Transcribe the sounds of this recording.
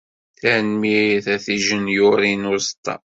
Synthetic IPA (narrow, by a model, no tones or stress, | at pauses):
θænmiθæθiʒənjʊɾinʊɾst̪ːɑ̰